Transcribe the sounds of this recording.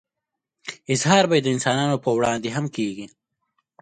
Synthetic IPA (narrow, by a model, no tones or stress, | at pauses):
ɪzhɑːɾbajd̪əɪnsɑːnɑːnopəwɽɑːnd̪eɦamkeːɡi